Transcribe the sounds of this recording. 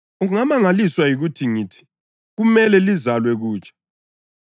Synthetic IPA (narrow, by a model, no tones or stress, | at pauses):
uŋamaŋaliswajiɣutʰiŋiːtʰi̥ | ɣumɛlɛlizalwɛɣuːt͡ʃʼḁ